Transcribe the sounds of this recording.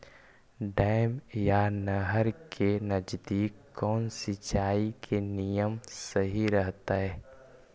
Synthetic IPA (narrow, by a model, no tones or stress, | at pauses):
ɖaːɪmjanəɦəɾkʰenəd͡ʒd̪iːkːɔːnsit͡ʃaːikʰenijəmsəɦiɾəɦt̪aɦɛː